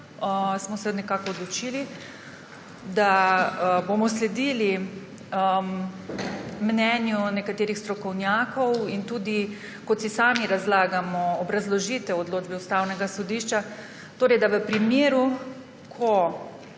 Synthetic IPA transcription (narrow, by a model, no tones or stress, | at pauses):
əsmɔsɛnɛkaːkɔːd̪lɔt͡ʃiːli | d̪a | bomɔslɛd̪iːli | mnɛnjunɛkat̪eːɾixst̪ɾɔkɔwnjaːkɔwint̪uːd̪i | kɔt̪sisaːmiɾazlaːɡamɔːbɾazlɔʒiːt̪ɛɔd̪loːd͡ʒbɛust̪awnɛɡasɔd̪iʃt͡ʃa | t̪oːɾɛjd̪aʋəpɾimeːɾu | kʰɔ